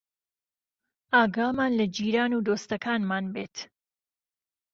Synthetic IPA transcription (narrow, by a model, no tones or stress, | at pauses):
aːɡamaːnlɐd͡ʒiːɾaːnuːd̪oːst̪ɐkʰaːnmaːnbeːt̪